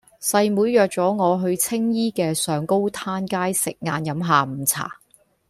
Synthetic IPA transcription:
sɐ˧jmuː˨˧˥jːœː˨k̚t͡sɔː˨˥ŋɔː˨˧ɦɵ˧ɥt͡sʰɪ˥ŋjiː˥kɛː˧sœː˨˧ŋko˥wt̪ʰaː˥nkaː˥jsɪ˨k̚ŋaː˨njɐ˨˧˥mɦaː˨˧m̩˨˩t͡sʰa̰ː˨˩

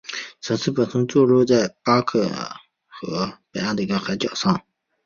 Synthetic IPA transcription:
t͡sʰɤ˨˩ŋt͡ssʰɹ̩˥˩pə˨˩t̪ʰʊ˧˥ŋt͡swɔ˥˧lɔ˥˧t͡sa˥˩ɪpa˥kʰɤ̰˥˩ | xɤ̰˧˥pe˨˩jɑ˥˩ŋd̪ə˩i˧˥ɡə˧xa˧˥ɪt͡ɕjɑ˨˩ʊʂɑ˥˩ŋ

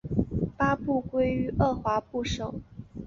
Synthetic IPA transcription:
pa˥pu˥˩kwe˥ɪy˧˥ʔɤ˥˩xwa˧˥pu˥˩ʂo˨˩˦ʊ

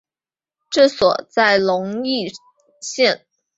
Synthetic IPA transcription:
ʈ͡ʂɤ˥˩swɔ̰˨˩t͡sa˥˩ɪlʊ˧˥ŋi˥˧ | ɕjɛ˥˩n

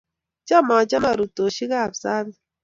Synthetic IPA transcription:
d͡ʒa˦ma˨d͡ʒa˦ma˦˨ɾu˨to˨ʃi˦ɣa˦˨bza˦ni˨

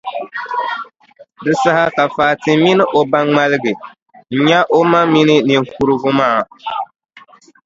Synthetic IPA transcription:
dɨ˨sa˦ha˦ka˨faː˨tɪ˨mi˦nɨ˦ʔo˨ba˦ŋŋ͡ma˦lɨ˦ɡɨ˨ | n̩˨ɲa˦ʔo˦ma˦mi˦nɨ˦ni˨ŋ̩˨ku˨ɾɨ˦ɡʊ˦maː˦a˨

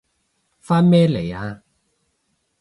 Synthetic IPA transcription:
faː˥nmɛː˥le˨˩jaː˧

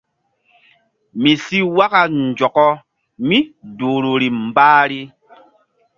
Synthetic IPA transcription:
mi˨si˦wa˦ka˨n˨d͡ʒɔ˨kɔ˦ | mi˦duː˨ɾu˨ɾi˨m˨baː˦ɾi˦

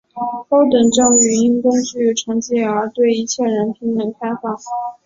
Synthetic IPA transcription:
k̪o˥ʊt̪ə˨˩ŋʈ͡ʂɑ˥˩ŋɥɛ˧˥ni˥nk̪ə˥nʂɻ̩y˥˩i˧˩ʈ͡ʂʰɑ˧˥ŋt͡ɕi˥˩ə˞˧˥t̪we˥˩ɪi˧˥t͡ɕʰjɛ˥˩ɻə˧˥nt̪ʰi˧˥ŋnə˧˥ŋkʰa˥ɪfɑ˥˩ŋ

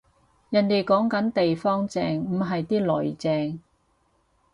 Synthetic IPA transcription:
jɐ˨nt̪e˨jkɔː˨˥ŋkɐ˨˥nt̪e˨jfɔː˥ŋt͡sɛː˧ŋm̩˨˩ɦɐ˨jt̪iː˥lɵ˨˩jt͡sɛː˨˧ŋ

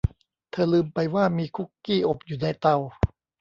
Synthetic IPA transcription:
t̪ʰɤː˧˩lɯː˧mpa˧jwaː˥˩miː˧kʰu˦˥˩kːiː˥˩ʔo˨˩p̚juː˨˩na˧jt̪a˧w

